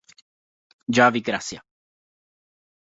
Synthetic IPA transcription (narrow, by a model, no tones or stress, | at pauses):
d͡ʒaviɡɾasja